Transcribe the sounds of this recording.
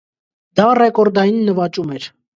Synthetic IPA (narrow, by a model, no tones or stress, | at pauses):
d̪̥ɑrɛkɔɾd̪ɑjinːəvɑt͡ʃumɛɾ